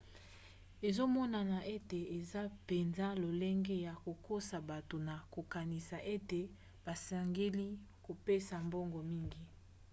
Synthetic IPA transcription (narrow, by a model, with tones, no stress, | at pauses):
e˨zo˦mɔ˦na˨na˨ʔe˦te˨e˨za˦pe˨nza˦lo˨le˦ŋɡe˦ja˨ko˨ko˦sa˨ba˨to˨na˨ko˨ka˨ni˨sa˨ʔe˦te˨ | ba˨sa˨ŋɡe˦li˦ko˨pe˦sa˨mbo˦ŋɡo˨mi˦ŋɡi˨